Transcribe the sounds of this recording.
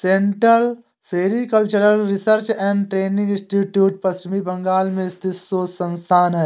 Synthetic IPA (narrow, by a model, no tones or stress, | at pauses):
sẽɳʈəl | seːɾikəlt͡ʃəɾəlɾɪsəɾt͡ʃɛ̃ːɳɖʈɾeːnɪ̃ŋɡɪ̃sʈiːʈjuːʈ̚pɐst͡ʃɪmibɐ̃ŋɡaːlmẽst̪ʰɪsoːsɐ̃nst̪ʰaːnɦɛː